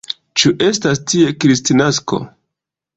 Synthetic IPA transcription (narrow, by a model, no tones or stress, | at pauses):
t͡ʃuʔe̞s̬tastie̞kɾistinasko̞̰